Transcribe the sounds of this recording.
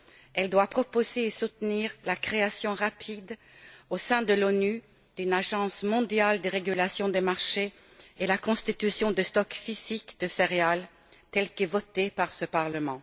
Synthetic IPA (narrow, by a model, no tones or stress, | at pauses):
ɛld̪wapχɔpozeːsut̪niːʁlakχeasjɔ̃ʁapʰid̪osɛ̃d̪əlony | d̪̥ynaʒɑ̃smɔ̃d̪jald̪eʁeɡylasjɔ̃d̪emaʁʃe | elakɔ̃st̪it̪ysjɔ̃d̪əst̪ɔkfizikd̪̥əseʁeal | t̪ɛlkɛvɔt̪epaʁsəpaʁləmɑ̃